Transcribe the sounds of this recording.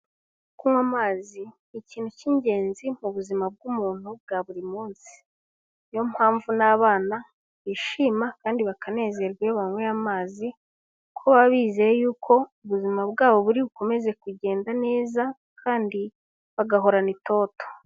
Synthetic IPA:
kumwamaːzi | iciːn̥huciɲɟe̞ːnzim̥uβuzimab̚ɡumuːn̥hub̚ɡaβuɾimuːnsi̥ | jo̞mhaːɱvunaβaːna | βiʃimakaːndiβakʰane̞ːze̞ɾɡweβaŋweamaːzi | kʰoβaβiːzejejuːkʰo̞uβuzimabɡaːβo̞βuɾiβuko̞me̞ze̞kuɟe̞ːndane̞ːza | kʰaːndi | βaɡaɦo̞ɾanito̞ːto̥

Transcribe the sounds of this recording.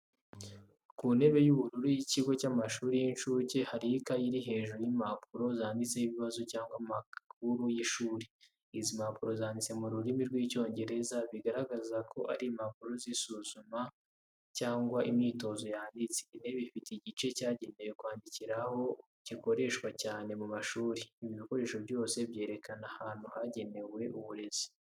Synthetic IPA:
kune̞βe̞juβuɾuɾujiciɡo̞camaʃuːɾijinʃuːce̞haɾikajiɾiɦe̞ːʒuɾojimapuɾo̞zaːndit͡se̞hiβiβazo̞caːŋɡwamak̚uɾujiʃuːɾe | izimapuɾo̞zaːndit͡se̞muɾuɾimiɾɡwico̞ːɲɟe̞ɾe̞zaβiɡaɾaɡazakʰo̞ʔaɾimapuɾo̞zisuːzuma | caːŋɡwaʔimiːto̞zo̞jaːndit͡seneβifiteiɟit͡ʃe̞caːɟe̞ne̞we̞kwaːndiciɾaho̞ | ciko̞ɾe̞ʃkwacaːne̞mumaʃuːɾeiβiβiko̞ɾe̞ːʃoβɟo̞ːse̞bje̞ːɾe̞kanahaːn̥huhaɟe̞ne̞we̞ʔuβuɾe̞zi̥

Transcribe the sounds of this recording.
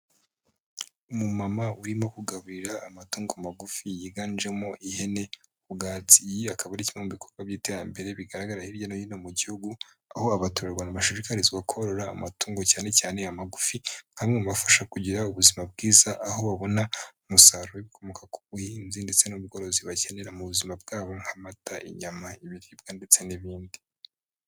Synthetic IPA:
umumamauɾimo̞kuɡaβuɾiɾaːmatuːŋɡomaɡufijiɡaːnd͡ʒe̞mo̞ʔihe̞ne̞ | uɡaːt͡sijiakaβaɾicimemuβikʰoɾɡwaβɟiːte̞ɾambe̞ɾe̞βiɡaɾaɡaɾahiɾjanojinomuɟihuɡu | aho̞aβatoɾeɾɡwanamaʃiɾikaɾiziɡwakʰoɾo̞ɾaːmatuːŋɡocaːne̞caːneamaɡufiŋ̥hamŋemuβafḁʃakuɟiɾauβuzimab̚ɡiːzaʔaho̞βaβo̞naumusaɾojeβikʰo̞mokaku̥βuhiːnzinde̞t͡se̞nuβɡo̞ɾo̞ziβace̞ne̞ɾamuβuzimab̚ɡaːβo̞ŋ̥hamataʔḭɲamaiβiɾib̚ɡande̞t͡se̞niβiːndi

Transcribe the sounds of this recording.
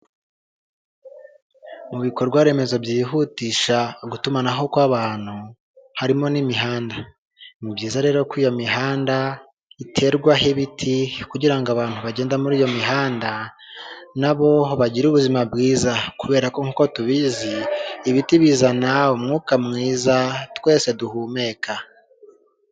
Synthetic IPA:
muβiko̞ɾɡwaɾe̞ːme̞zo̞bjiɦutiːʃaɡutumanaɦo̞kwaːβaːn̥hu | haɾimo̞nimiɦaːnda | nibɟiːzaɾe̞ːɾo̞kwiːjo̞miɦaːnda | itʰe̞ɾɡwaɦeβitʰikuɟiɾaŋɡoaβaːn̥uβaɟe̞ːndamuɾiːjomiɦaːnda | naβo̞βaɟiɾuβuzimabɡiːzakuβe̞ːɾako̞ŋuːkotuβiziːβitiβiːzanaumŋuːkamŋiːzatwe̞ːse̞duhuːme̞kʰa

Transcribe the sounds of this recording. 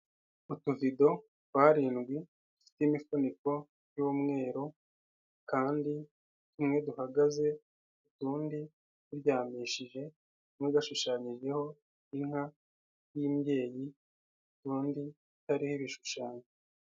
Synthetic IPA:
utuvido̞ | twaːɾiːnɡwi | d̥ufi̥teimifuniko̞ | juːmŋe̞ːɾo | kaːndi | tumŋe̞duhaɡaze̞ | utuːndi | uɾjaːmiʃiʒe̞ | umwiɡaʃuʃaːɲiʒe̞ho̞ | iŋ̥ha | jiːmje̞ːji | utuːndi | itaɾihiβiʃuʃaːɲe

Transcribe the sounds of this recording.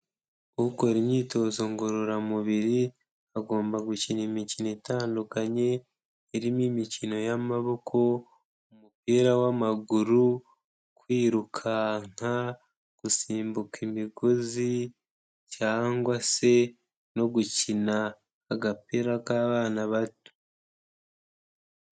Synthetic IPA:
kuko̞ɾimɲiːto̞ːzo̞ŋɡoɾoɾamuβiɾi | aɡo̞ːmbaɡucinemicinoetaːndukaɲe̞ː | ɾimimicino̞jamaβo̞kʰo̞ | umupiːɾawamaɡuɾu | kwiːɾukʰaŋ̥a | ɡ̥usiːmbukemiɡozi | caːŋɡwase̞ | no̞ɡucinaː | ɡapiːɾakaːβaːnaβatu̥

